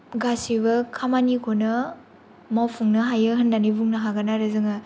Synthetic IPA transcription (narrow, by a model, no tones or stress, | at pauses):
ɡasiβɐkʰamanikʰonɐ | mawpʰuŋnɐɦajɯɦɐndanibuŋnɐɦaɡɐnaɾɯzɯŋa